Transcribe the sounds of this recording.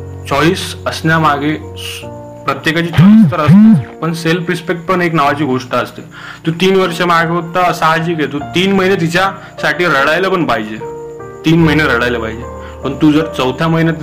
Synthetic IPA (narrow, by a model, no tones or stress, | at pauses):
t͡ɕɔʋiːsəsnjamaɡe | pɾət̪jekat͡ɕiːt͡sɔliːst̪əɾəst̪epəɳselpɾispek̚ʈ̚pəɳeknaʋat͡ɕiːɡʱoʂʈaəst̪e | t̪ũːt̪iːnʋəɾʂəmaɡeot̪asaɦad͡ʑiːkɦet̪ut̪iːnməɦinjet̪̬it͡ɕja | saʈʰiːɾəɽajləpəɳpaɦid͡ʑe | t̪iːnməɦineɾəɽajləpaɦid͡ʑe | pəɳt̪uːd͡zəɾt͡səwt̪ʰjaməɦinjat̪